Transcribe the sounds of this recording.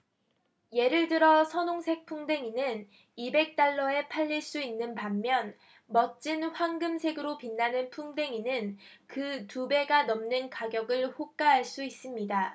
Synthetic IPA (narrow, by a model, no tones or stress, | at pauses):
je̞ɾɯɭdɯɾʌsʰʌnoŋsʰe̞k̚pʰuŋde̞ŋinɯn | ibe̞k̚t͈aɭːʌe̞pʰaʎːiɭs͈uinːɯnpamːjʌn | mʌt͡ɕ͈inɸwaŋɡɯmsʰe̞ɡɯɾopinːanɯnpʰuŋde̞ŋinɯnkɯtube̞ɡanʌmnɯnkaɡjʌɡɯɭɸok̚k͈aɦaɭs͈uis͈ɯmɲida